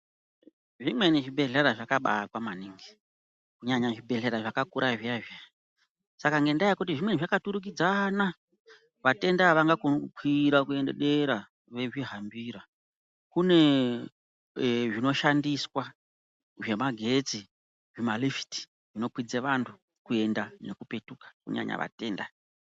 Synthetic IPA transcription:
ʐimwe̞niʐibʱe̞ɮeɾaʐakaɓa̰kwamaniŋɡi | kuɲaɲaʐibʱe̞ɮeɾaʐakakuɾʔaʐiaʐja | sakaŋɡe̞ndajkutiʐimwe̞niʐakatuɾuk̬id͡zana | ʋate̞ndaʋaŋɡakonukwiɾakue̞nde̞̰ɗe̞ɾa | ʋe̞ʐiɦambiːɾa | kune̞ | ʐino̞ʃandiswa | ʐe̞maɡʱe̞t͡si | ʐemalifi̥ti̥ | ʐ̥ino̞pwid͡zeʋantʰu | kue̞ndane̞kupe̞tukḁkṵɲa̰ɲa̰ʋa̰te̞ːnda

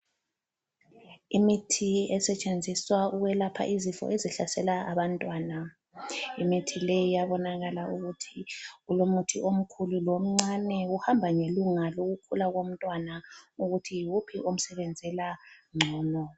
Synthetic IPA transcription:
imitʰiɛsɛt͡ʃʼend͡zʱiswauɣwɛlapʰa̰ʔizifɔ̰ʔeziɬasɛlaaβantʼwaːna | imitʰilejijaβɔnaɣalaʔuɣutʰiɣulomutʰiʔom̩kʰululom̩ŋ͡ǀanɛuhambʱaŋeluŋaloɣukʰulaɣom̩tʼwanauɣutʰijwupʰiʔom̩sɛβend͡zʱɛlaŋ͡ǀʱɔːmɔ

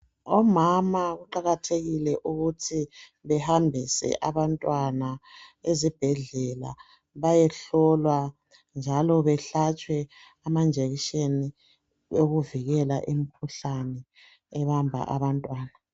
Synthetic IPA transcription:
ɔmamaɣuǃaɣatʰeɣilɛʔuɣutʰiβɛhambʱisɛ̰ʔaβantʼwanaezib̥ʱɛɮɛla̰ | βajɛɬɔlwa | nd͡ʒʱalɔβɛɬat͡ʃʼwɛ | amand͡ʒʱeɣiʃeni | oɣuviɣɛla̰ʔemikʰuɬanɛ | ɛβambʱa̰ʔa̰βantʼwaːna

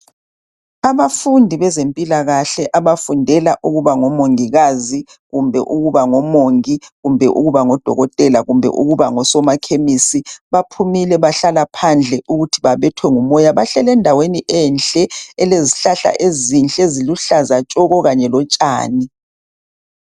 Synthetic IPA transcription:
aβafundʱiβɛzempʼilaɣaɬɛʔaβafundʱɛlaʔuɣuβaŋɔmoŋiɣazi | ɣumbʱɛʔuɣuβaŋɔmoŋiɣumbʱɛʔṵɣuβaŋɔd̥ʱɔ̰ɣɔtʼɛlaɣumbʱɛ̰ʔuɣuβaŋɔsɔmakʰemisiβapʰumilɛβaɬalapʰand͡ɮʱɛʔuɣutʰiβaβɛtʰwɛŋumɔjaβaɬɛlɛndʱaweniʔɛnt͡ɬʼɛɛleziɬaɬa̰ʔezint͡ɬʼeziluɬazat͡ʃʼɔɣɔɣaɲɛlɔt͡ʃʼa̰ːni

